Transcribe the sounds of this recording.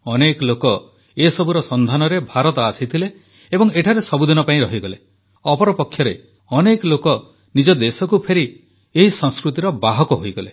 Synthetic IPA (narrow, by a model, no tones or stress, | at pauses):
ɔnekɔlokɔ | esɔbuɾɔsɔnd̪ʱanɔɾebʱaɾɔt̪ɔasit̪ʰileː | bɔŋeʈʰaɾesɔbud̪inɔpaĩɾɔɦiɡɔle | ɔpɔɾɔpɔkʰːjɔɾe | ɔnekɔlokɔ | nid͡ʒɔd̪esɔkupʰeɾi | eɦisɔ̃ŋskɾut̪iɾɔbaɦɔkɔɦojɡɔle